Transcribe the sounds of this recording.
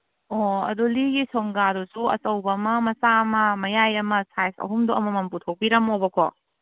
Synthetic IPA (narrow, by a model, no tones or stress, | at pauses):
oɐ̰duliɡisoŋɡaɾusuɐ̰sɐwbɐmɐmɐsamɐmɐjajɐmɐsajsɐ̰ɦumduɐmɐmɐmputʰow̚piɾɐmobɐkʰo̰